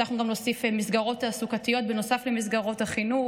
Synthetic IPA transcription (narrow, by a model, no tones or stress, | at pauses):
aχnuɡamlo̞sifemisɡaʁo̞tasukatijo̞t̚beno̞saflemis̬ɡaʁo̞thaχinu